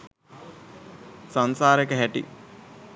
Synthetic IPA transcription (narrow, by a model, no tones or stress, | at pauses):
sansaːɾekəɦæʈḭ